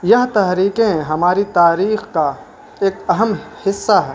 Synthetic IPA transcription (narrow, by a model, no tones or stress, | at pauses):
jɐɦt̪ɐɦɾiːkẽɦɐmaːɾit̪aːɾiːxka | eːkɐɦəmhɪsːaɦɛː